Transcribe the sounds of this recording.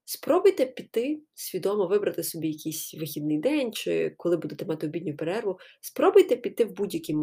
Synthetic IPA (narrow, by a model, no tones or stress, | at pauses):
spɾɔbʊjt̪ɛpʲit̪ɪsʲʋʲid̪ɔmɔʋɪbɾɐt̪ɪsɔbʲijɐkijsʲʋɪxʲid̪̚nɪjd̪ɛnʲt͡ʃɪ̰kɔlˠɪbud̪et̪ɛmɑt̪ɪɔbʲidʲnʲʊpeɾɛrʋʊspɾɔbʊjt̪ɛpʲit̪ːɪwbudʲjɐkʲim